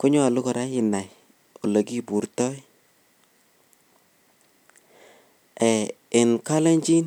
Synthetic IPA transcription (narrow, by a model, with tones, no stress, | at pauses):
ku˦ɲɔ˦a˨lu˦kɔ˨ɾa˦ɪ˨na˨j | o˨le˨ki˦bu˨ɾtɔ˦j | ɛ˨ɪ˨nka˦le˦ɲd͡ʒi˦n